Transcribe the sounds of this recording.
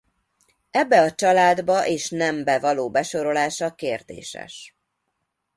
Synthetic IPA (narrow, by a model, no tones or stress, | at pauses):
ɛbːɛɒt͡ʃɒlaːd̪bɒʔeːʃnɛmbɛvɒloːbɛʃo̞ɾo̞laːʃɒkeːrd̪ḛːʃɛ̰ʃ